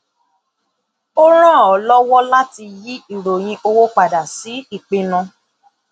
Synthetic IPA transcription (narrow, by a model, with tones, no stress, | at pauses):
o˦ɾ̃ã˦˨ɔ˨lɔ˦wɔ˦la˦ti˧ji˦i˦˨ɾo˨j̃ĩ˧ʔo˧wo˦k͡pa˨da˨si˨˦i˦˨k͡pe˧nã˧